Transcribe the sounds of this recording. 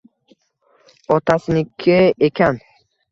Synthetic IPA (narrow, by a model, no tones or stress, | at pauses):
ɔt̪ʰasnikʰːiekʰan